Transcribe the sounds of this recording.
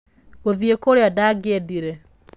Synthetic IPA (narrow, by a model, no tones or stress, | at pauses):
ɣoðiekoɾeɔdaɡediɾɛ